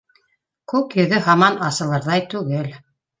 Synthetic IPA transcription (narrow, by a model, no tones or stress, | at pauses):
kʉkjɵ̆ðɘɦɑmɑnɑsɤ̆lˠɤɾðɑjt̪ʉɡɘl